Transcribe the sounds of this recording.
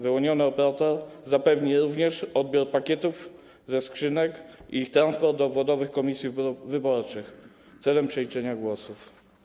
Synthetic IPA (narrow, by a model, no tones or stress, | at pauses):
vɘwɔɲɔnɘɔpɛɾat̪ɔɾzapɛvɲiɾuvɲɛʂɔd̪̚bʲjɔɾpakʲɛt̪uv | zɛskʂɘnɛkḭixt̪ɾanspɔɾt̪̚d̪ɔːbvɔd̪ɔvɘxkɔmʲisʲjivɘbɔɾt͡ʂɘx | t̪sɛlɛmpʂɛlʲit͡ʂɛɲaɡwɔsuf